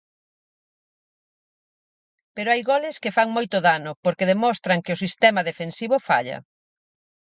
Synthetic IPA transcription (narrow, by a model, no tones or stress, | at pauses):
peɾoajɣɔlɪskɪfaŋmojt̪ʊðanʊpoɾkeðemɔst̪ɾɐŋkɪʊsist̪ɛmɐðefensiβʊfa̰ʎɐ̰